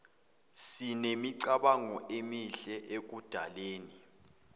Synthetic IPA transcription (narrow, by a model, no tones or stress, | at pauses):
sinemiǀaɓaŋɔemiɬɛʔek̬ud̥ʱaleːni